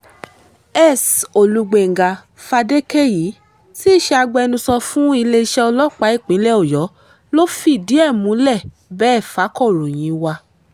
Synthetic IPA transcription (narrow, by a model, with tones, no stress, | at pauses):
ɛ˦˨so˨lu˨˧ɡ͡be˨ŋ˨ɡa˨ | fa˧de˦ke˦˨ji˨˦ | si˦˨ʃɛ˧a˧ɡ͡bɛ˧nũ˧sɔ˧fũ˦i˧le˧i˧ʃɛ˦ɔ˧lɔ˦k͡pa˨˦i˦˨k͡pĩ˨˦lɛ˦o˦˨jɔ˨˦ | lo˦fi˦˨di˨˦ɛ˦˨mũ˨˦lɛ˦˨ | bɛː˦˨fa˨˦kɔ˦˨ɾõ˨j̃ĩ˨˦wa˧